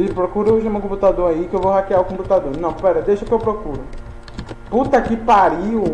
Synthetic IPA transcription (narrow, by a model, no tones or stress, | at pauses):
ipɾokuɾeʒũmɐ̃kõput̪ad̪oɾɐikɪewvoɦakeaʊkõmput̪ad̪oɾnɐ̃w̃pɛɾɐd̪eʃɐʊkɪewpɾokuɾʊ | put̪ɐkɪpaɾi